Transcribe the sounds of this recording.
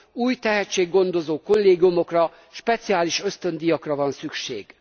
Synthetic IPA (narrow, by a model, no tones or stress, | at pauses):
uːjt̪ɛɦɛt͡ʃːeːɡːo̞nd̪o̞zoːko̞lːeːɡijumo̞krɒ | ʃpɛt̪sijaːliʃø̞st̪ø̞nd̪ijɒkrɒvɒnsykʃḛːɡ̥